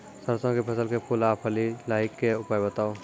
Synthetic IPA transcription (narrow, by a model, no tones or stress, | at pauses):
səɾsãkepʰəsəlkepulaːpʰəlilaːɦɪkːeʊpaːjbət̪aːo